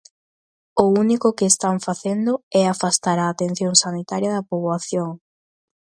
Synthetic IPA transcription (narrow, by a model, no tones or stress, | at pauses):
ʊunikʊkɪːst̪aɱfaθend̪ʊɛafast̪aɾaːt̪en̟θjoŋsanit̪aɾjɐðɐpoβwaθjoŋ